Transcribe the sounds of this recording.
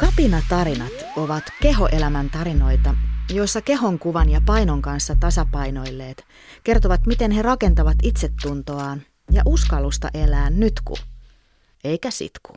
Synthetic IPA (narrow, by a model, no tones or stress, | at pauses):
kɑpinɑt̪ɑɾinɑt̪ | oʋɑt̪ke̞ɦo̞ʔelæmænt̪ɑɾino̞jt̪ɑjo̞isːɑke̞ɦo̞ŋkuʋɑnjɑpɑinoŋkɑnsːɑt̪ɑsɑpɑino̞ilːe̞ːt̪ | ke̞rt̪oʋɑt̪mit̪enherɑke̞nt̪ɑʋɑt̪it̪set̪ːunt̪oɑːn | jɑʔuskɑlːust̪ɑ̰ʔelæːnnyt̪kṵ | eikæsḭt̪ku̥